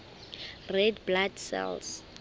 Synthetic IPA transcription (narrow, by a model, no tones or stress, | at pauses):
rɛdbladsɛ̰ls